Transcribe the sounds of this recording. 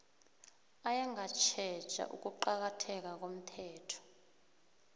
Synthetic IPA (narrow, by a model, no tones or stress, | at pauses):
ajɛŋɡʱat͡ʃʰɛ̥t͡ʃʼa̰ʔṵk̬ʼuǃak̬atʰɛk̬ak̬om̩tʰɛːtʰɔ̥